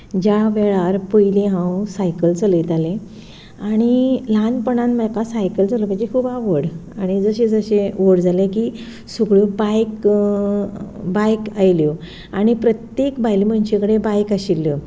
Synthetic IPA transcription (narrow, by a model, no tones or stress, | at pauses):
d͡ʑaʋɛɭaɾpəjlẽɦãwsajkəlt͡səlet̪alẽ | aɽ̃ilanpəɳãnməkasajkəld͡zaləməaɳd͡ʑekʰubaʋəɽaɽ̃id͡zəɕẽd͡zəɕeʋoɽd͡zalẽkiː | sukɭupajk | bajkajljo | aɽ̃ipɾət̪jekbajlim̤əɳt͡ɕekəɽebajkaɕiljo